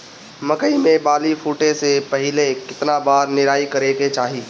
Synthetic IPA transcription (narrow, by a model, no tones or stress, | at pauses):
mɐkəimẽbaːlifʰuːʈesepɐɦɪlekɪt̪nabaːɾnɪɾaːikɐɾeket͡ʃaːɦiː